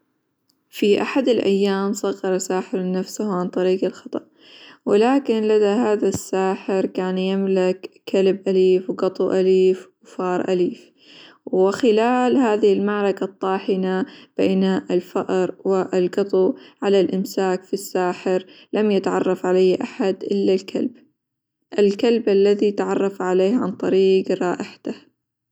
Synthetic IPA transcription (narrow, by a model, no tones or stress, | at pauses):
fiʔaħad̪ɪlʔa̰jːaːmsˤɑɣːɑɾˤɑsaːħɪɾnːafsahʕant̪ˤɑɾiːɡalxɑt̪ˤɑ̰ʔ | wɪlaːkɪnlad̪aɦaːðasːaːħɪɾkaːnjɪmlɪkːalbʔaliːfwɡɑt̪ˤuʔaliːfwfɑːɾˤʔa̰liːf | wɪxɪlaːlhaːðɪhɪlmaʕɾˤɑkat̪ˤːɑːħɪnab̥eːnaɪlfaʔɾˤwɪʔlɡɑt̪ˤuʕalalʔɪmsaːkfisːaːħɪɾlamjɪt̪ʕɑ̰rˤːɑfʕalajhʔaħad̪ʔɪlːalkʰa̰lb | ʔɪlkalbʔalːaðit̪ʕɑrˤːɑfʕaleːhʕa̰nt̪ˤɑɾiːɡɾˤɑːʔɪħḁt̪ah